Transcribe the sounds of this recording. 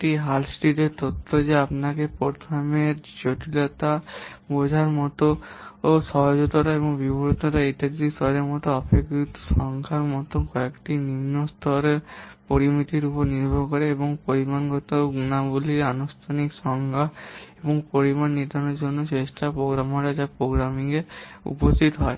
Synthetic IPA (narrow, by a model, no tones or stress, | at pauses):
ʈiɦalsʈiɖeɾt̪ot̪ʰːod͡ʑeapnakepoɾt̪ʰameɾd͡ʑoʈilɔt̪a | bod͡ʑʱaɾmɔt̪ooʃɔɦod͡ʑot̪oʈaeboŋbibɔɾt̪oʈaeʈakd̪ist̪ʰɔɾeɾmɔt̪oɔpʰekɾut̪o̥ʃɔŋkʰaɾmɔt̪okɔekʈinimnost̪ʰɔɾeɾpoɾimit̪iɾupɔɾniɾbʱɔkɔɾeeboŋpoɾimanɡɔt̪oɡunabuliɾanust̪ʰanikʃɔŋɡʱaeboŋpoɾimanːit̪anoɾd͡ʑonːot͡ʃesʈʰapɾoɡɾamoɾad͡ʒapɾoɡɾamiŋeṵpost̪ʰit̪ɔɦɔe